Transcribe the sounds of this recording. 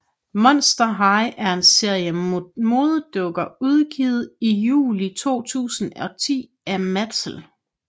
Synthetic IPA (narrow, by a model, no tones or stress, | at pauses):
mɒ̽n̰sd̥ɐɦɑ̈ɪʔæɐe̝nse̝ɐ̰jəmo̝ːð̞ˠəd̥ɔɡ̥ɐuð̞ˠɡ̥iːð̞̩ˠijṵːlit͡sʰo̝̰ːt͡sʰṵːsn̩ɒ̽t͡sʰḭː | æmæd̥sl̩